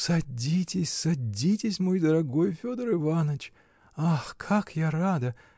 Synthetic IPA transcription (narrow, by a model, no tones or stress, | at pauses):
sɐdʲitʲɪsʲsɐdʲitʲɪsʲmo̞jd̪əɾɐɡo̞jfʲod̪əɾɨvanət͡ɕ | axkʰakjaɾad̪ə